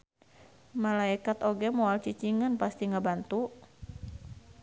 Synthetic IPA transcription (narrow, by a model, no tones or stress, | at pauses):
malaikat̪oɡɛmɔalt͡ʃit͡ʃiŋənpast̪iŋabant̪u